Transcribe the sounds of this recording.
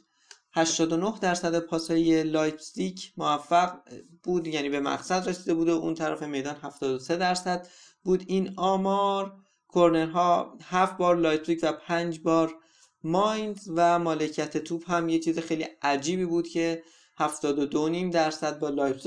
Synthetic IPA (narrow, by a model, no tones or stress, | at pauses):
hæʃt̪ɒːd̪o̞no̞hd̪æɾsæd̪epʰɒːsɒje̞lɒːjbsicʰmovæfːæɡb̥uːd̪jæːniːbe̞mæ̰ɡsæd̪ɾesiːd̪e̞buːd̪oṵːnt̪ʰæɾæ̰fe̞me̞jd̪ɒːnɦæft̪ɒːd̪ose̞d̪æɾsæd̪̥ | buːd̪iːnɒːmɒːɾ | kʰoɾne̞ɾɦɒːhæfbɒːɾlɒːjpsiːcvæpʰænd͡ʒbɒːɾ | mɒːjnzvæmɒːlecʰiæt̪ʰet̪ʰuːbhæmjet͡ʃʰiːzexejliæd͡ʒiːbiːbuːd̪̥cʰe̞ | hæft̪ɒːd̪od̪oniːmd̪æɾsæd̪̚bɒːlɒːjbsi